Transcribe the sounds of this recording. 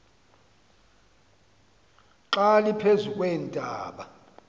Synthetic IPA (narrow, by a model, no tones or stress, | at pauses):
ǁalipʰezukʼwɛːntʼaːɓa